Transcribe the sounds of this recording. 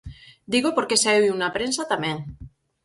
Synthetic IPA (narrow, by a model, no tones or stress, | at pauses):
d̪iɣopoɾkesaewunapɾensat̪amẽŋ